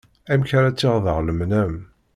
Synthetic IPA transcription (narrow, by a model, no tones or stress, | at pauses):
æmçaɾæt͡sːɪʁðəʁləmnæm